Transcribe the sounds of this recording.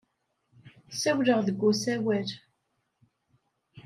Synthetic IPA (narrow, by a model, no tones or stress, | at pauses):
sæwləʁðəɡʷːusæwæl